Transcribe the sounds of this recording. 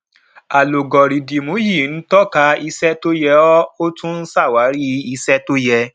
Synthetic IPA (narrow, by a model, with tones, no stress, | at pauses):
a˨lo˨ɡɔ˨ɾi˨di˨mõ˨˦ji˦˨n̩˨˦tɔ˦ka˧i˧sɛ˦to˦jɛ˧ɔ˦o˦tũ˦n̩˦sa˦˨wa˨˦ɾi˦i˧sɛ˦to˦jɛ˧